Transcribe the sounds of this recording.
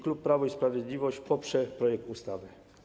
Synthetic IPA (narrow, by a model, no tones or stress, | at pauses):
klupːɾavɔispɾavʲjɛd̪lʲivɔɕt͡ɕpɔpʂɛpɾɔjɛk̚t̪ust̪avɘ